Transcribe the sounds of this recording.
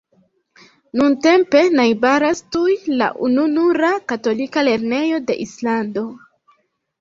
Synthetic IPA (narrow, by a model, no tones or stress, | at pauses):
nunte̞mpe̞najbaɾastujla̰ʔununuɾakato̞likale̞ɾne̞jo̞de̞̰ʔislando̞